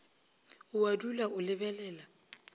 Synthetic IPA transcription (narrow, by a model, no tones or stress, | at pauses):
ʊwadulaʊlɪbɛlɛːla